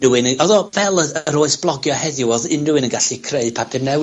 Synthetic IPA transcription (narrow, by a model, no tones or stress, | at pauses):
uwɪnəɔðɔvɛlˠəəəɾoːɨsb̥lˠɔɡjɔhɛðjʊɔðɪndɨwɨnənɡaɬikʰreɨ̥pʰatʰɪmnɛw